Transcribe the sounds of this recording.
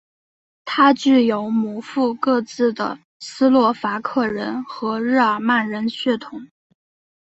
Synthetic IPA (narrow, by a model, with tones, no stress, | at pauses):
t̪ʰa˥t͡ɕy˥˩jo˧˥ʊmu˨˩fu˥˧kɤ˥˧t͡sɹ̩˥˩d̪ə̰˩ | sɹ̩˥lwɔ˥˩fa˧˥kʰɤ˥˩ɻə˧˥nxɤ˧˥ɻ̩˥˩ə˞˨˩ma˥˩nɻə˧˥nɕɥɛ˥˩t̪ʰʊ˧˩˥ŋ